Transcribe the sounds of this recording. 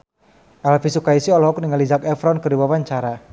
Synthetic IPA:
ʔɛlfisukaisiɔlɔɦɔkniŋalid͡ʒakɛfɾɔnkərdiwawaɲt͡ʃaɾa

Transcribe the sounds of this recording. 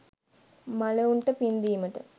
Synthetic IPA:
maləuɳʈəpind̪iːməʈə

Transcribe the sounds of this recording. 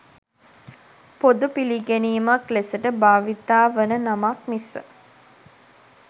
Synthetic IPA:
pod̪upiliɡeniːmaklesəʈəbaːʋit̪aːʋənənamak̚misə̰

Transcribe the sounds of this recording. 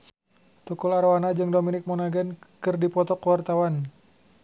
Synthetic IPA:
t̪ukulaɾwanad͡ʒɨŋdominɪk̚mɔnaɡɛnkɨrdipɔt̪ɔkwart̪awan

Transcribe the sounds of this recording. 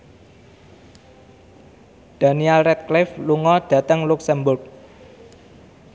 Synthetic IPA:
d̥a̤nialrɛt̪̚klɪfluŋɔd̪̥ä̤t̪əŋluksɛmbʊrk̚

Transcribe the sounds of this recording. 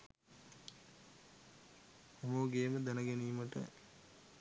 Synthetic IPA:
omoɡeːməd̪ænəɡeniːməʈə̰

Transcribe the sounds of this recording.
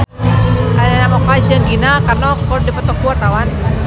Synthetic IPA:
anɛnamɔkad͡ʒəŋɡinakarnɔkɔdipət̪ɔkuat̪awan

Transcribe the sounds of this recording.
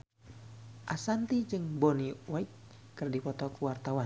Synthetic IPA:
ʔasant̪id͡ʒɨŋbɔniwait̪̚kɨrdipɔt̪ɔkuwart̪awan

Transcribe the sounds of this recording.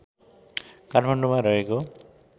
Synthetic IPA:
karpʰaɳɖomaɾʌɦeko

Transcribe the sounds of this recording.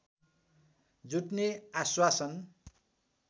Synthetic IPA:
d͡zuʈneaswasʌn

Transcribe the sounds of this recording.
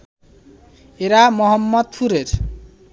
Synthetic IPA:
eɾamʌɦʌmːʌd̪̚pʰuɾeɾ

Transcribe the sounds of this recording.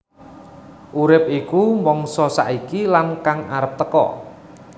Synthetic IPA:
ʔuɾɪp̚ikumɔŋsɔsa̰ʔikilankaŋaɾəp̚t̪əkɔ̰

